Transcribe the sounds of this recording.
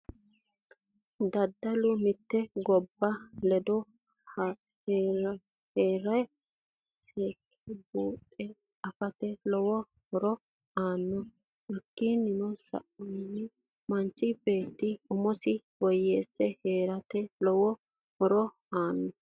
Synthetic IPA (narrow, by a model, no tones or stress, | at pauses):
d̪ɐd̪ːɐlʊmɪt̪ːɛɡɔbːɐlɛd̪ɔ | heːɾɐj | sek | buːt̪ʼːɛ | ɐfɐt̪ɛlɔwɔ | hɔɾɔ | ʔaːnːɔ | ʔɛkːinɪnɔsɐ̰ʔɔnːɪ | mɐnt͡ʃːɪbe̞ːt̪ːɪʊmɔsɪwɔjːeːsːɛhe̞ːɾɐt̪ɛlɔwɔ | hɔɾɔ | aːnːɔ